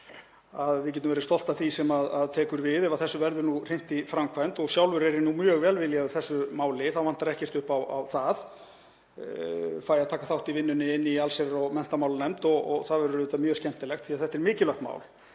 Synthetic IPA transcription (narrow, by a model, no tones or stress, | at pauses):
aðvɪcɛːt̪ʏmvɛɾɪst̪ɔl̥t̪aθisɛmaðaðt̪ʰɛːkʏɾvɪðɛvaθɛsːʏvɛɾðʏnur̥ejn̥t̪ifɾamkʰvajnt̪ɔɣsjawlvʏɾɛɾɪnumjœːɣvɛːlvɪljaʏθɛsːʏmaːwlɪθawvan̥t̪aɾɛhcɛr̥t̪ʏhpawa̰wθað | faːjaðt̪ʰaːkaθawht̪ivɪnːʏnɪɪnːialsɛɾɾɔɣmɛn̥t̪amawlanɛmt̪ɔɣɔ̰ɣθaðvɛɾʏɾɪːt̪amjœːscɛn̥t̪ɪlɛxt̪θiːaðθɛht̪ːɛɾmɪːcɪlœxt̪ma̰wl